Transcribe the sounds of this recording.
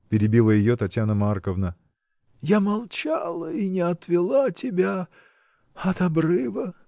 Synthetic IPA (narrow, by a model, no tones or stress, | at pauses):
pʲɪɾʲɪbʲilˠəjɪjot̪ɐtʲjanəmarkəvnə | jamɐlˠt͡ɕalˠəinʲɪɐt̪vʲɪlˠatʲɪbʲa | ɐt̪ɐbrɨvə